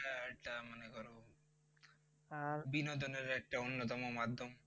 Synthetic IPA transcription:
aɛk̚ʈamanekɔɾo | abinot̪oneɾɛk̚ʈaonːot̪ɔmomad̪ʱːom

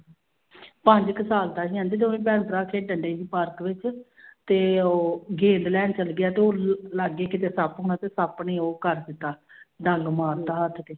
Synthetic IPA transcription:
pə̃ɲd͡ʒkəsaːlt̪aːɦiːãːnd̪eːt̪̬oːĩːpɛ̃ːnt̪ɾaːkʰeːɖəɳɖeːd͡ʒiːpəɾkʋɪt͡ʃ | t̪eːoːɡẽːnd̪lɛːnt͡ʃəlɡɪjaːt̪eːoːlaɡeːkɪt̪̬eːsəpɦʊ̃ːnaːt̪eːsəpniːoːkəɾd̪ɪt̪ːaːɖ̪əŋɡmaːɾt̪aːɦət̪ʰt̪eː

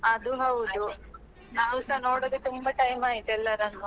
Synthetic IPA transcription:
ɐd̪uɦɐwud̪u | naːʋusanoːɽod̪et̪umbɐʈɐjmaːjit̪ɛlːɐɾɐnːu

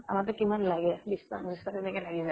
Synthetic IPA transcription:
a̰mat̬ʊkimanlaɡɛbista̰bist̪atɛnɛkɛlaɡiza

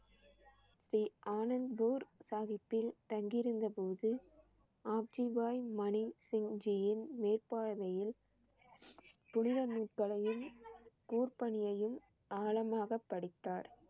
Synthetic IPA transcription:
siːʔaːnɐnbuːɾsaːɣɪpːɪlt̪ɐŋɡɪɾɯnd̪ɐpoːðɯ | aːb̚d͡ʒibaːjmɐnisɪŋd͡ʒijɪnmeːrpaːɽɐʋɐjɪl | pʊnɪɾɐnuːʈkɐɭɐjɯmkuːrpɐɳɪjɐjɯm | ʔaːlɐmaːɣɐpːɐɽɪt̪ːaːɾ

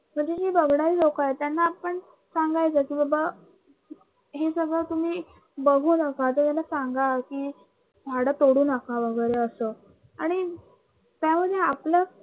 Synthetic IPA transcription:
m̤əɳd͡ʑed͡ʑebəɡʱɽaɾiːlokaet̪janːaːpəɳ | saŋɡajt͡səkiːbəba | ɦesəɡɭət̪um̤iː | bəɡʱuːnakat̪ət̪janːasaŋɡakiː | dʱaɽət̪oɽuːnakaʋəɡəjɾeəsəː | aɽ̃i | t̪jaməd̪ʱːjeaplə

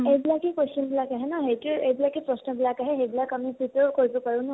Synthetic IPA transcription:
ejbilakikwestɔnbilakaɦɛnaɦejtuejbilakipɹɔsnɔbilakaɦɛxejbilakamipɹitɔɹkoɹibɔpaɹũnʊ

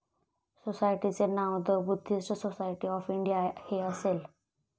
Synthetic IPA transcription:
sosajʈit͡senawd̪əbud̪ʱːisʈəsosajʈiɔfiɳɖijaheəsel

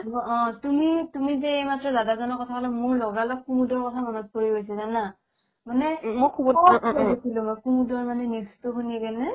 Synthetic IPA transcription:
ɔ̃tumitumizɛejmatɹɔdadazɔnɔɹkɔtʰakɔlamʊɹlɔɡalɔkxumudɔɹkɔtʰamɔnɔt̚koɹiɦojs̬ɛzana | manɛmɔkʰubɔɔabesilʊ̃mɔjxumudɔɹmanɛnistuxuniɡɛnɛ

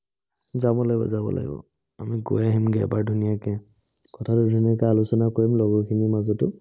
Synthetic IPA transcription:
zabɔlaɡibɔ̰zabɔ̰la̰ɡḭbɔ̰ | amiɡojaɦimɡɛ̰baɹdʱunijakɛ | kɔtʰatʊdʱuniak̬ɛalusɔnakoɹimlɔɡɔkʰinimazɔtʊ

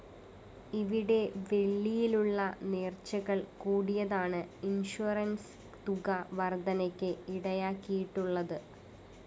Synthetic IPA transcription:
iʋiɽe̞ʋe̞ɭːijiluɭːɐneːrt͡ɕːɐɣɐɭkuːɽijɐðaːɳɨinʂuɐrɐns | t̪uɣɐʋɐrd̪ɐnɐkʲːɨiɽɐjaːkːijiʈːuɭːɐðɨ

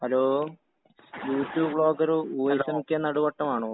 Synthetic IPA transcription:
ɐloː | juːtːjuːbɭo̞ːkːɐɾuuːɐjsɐmikʲːenɐɽuʋɐʈːɐmaːɳoː

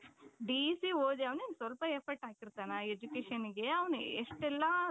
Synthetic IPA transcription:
ɖisioːd̪iɐʋneːnsʋɐlpɐeɾpʰɐɾʈaːkiɾt̪aːnɐed͡ʒukeːʃɐniɡe̞ɐʋɐnueʂʈɛlːɐ

